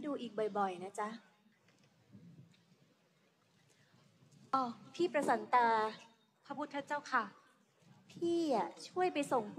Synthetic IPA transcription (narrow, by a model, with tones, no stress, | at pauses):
duː˧ʔiː˨˩k̚bɔ˨˩jbɔ˨˩jna˦˥t͡ɕa˦˥ʔ | ʔɔː˧˩pʰiː˥˩pɾa˧sa˩˦nt̪aː˧ | pʰa˧˦˥pʰu˦˥t̪ʰːa˦˥t͡ɕaː˥˩wkʰa˥˩ | pʰiː˥˩a˩t͡ɕʰu˥˩əjpa˧jso˨˩ŋpʰu˦